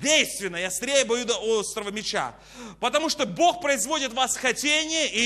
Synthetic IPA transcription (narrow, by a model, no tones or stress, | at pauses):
dʲejst̪vʲɪnːəjɐst̪ɾʲejəbɐjud̪ɐost̪ɾəvəmʲɪt͡ɕa̰ | pət̪ɐmuʂt̪obo̞xpɾəɪzvo̞dʲɪt̪vasxɐtʲenʲɪjəʔi